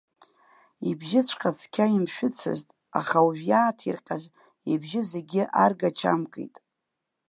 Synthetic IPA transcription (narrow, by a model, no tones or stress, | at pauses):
ibʒɪt͡sʷʰqʲʼat͡sʰkʲʰaimʃᶣʊt͡sʰɨ̰ztʼ | a̰χauʒᶣjaːtʰirqʲʼaz | ebʒɪze̞ɡʲɪʔarɡat͡ʃʰa̰mkʼḛjtʼ